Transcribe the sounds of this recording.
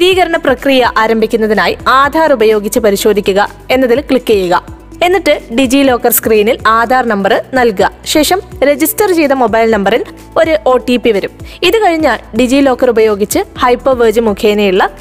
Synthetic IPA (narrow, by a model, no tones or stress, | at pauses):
iðiːɣɐɾɐɳɐprɐkrijɐʔaːɾɐmbʱikʲːunːɐðinaːjiaːd̪ʱaːrubɐjo̞ːɡit͡ɕːɨpɐɾiɕo̞ːd̪ʱikʲːuɣɐ | e̞nːɐðilkɭikːejːuɣɐ | e̞nːiʈːɨɖid͡ʑilo̞ːkːɐrskriːnilaːd̪ʱaːrnɐmbɐrɨnɐlkɐɕe̞ːʂɐmɾe̞d͡ʑistɐrd͡ʑiːðɐmo̞bɐjlnɐmbɐril | o̞ɾuʔo̞ːʈipːiʋɐɾumiðɨkɐɻiɲːaɭɖid͡ʑiːlo̞ːkːɐrubɐjo̞ːɡit͡ɕːɨhɐjpːoʋeːd͡ʑɨmukʰjeːnejuɭːɐ